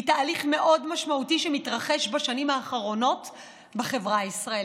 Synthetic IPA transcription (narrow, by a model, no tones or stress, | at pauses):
itaːliχme̞ʔo̞dmaʃmautiʃemitʁaχeʃbaʃanimaːχaʁo̞no̞t | beχe̞vʁaisʁae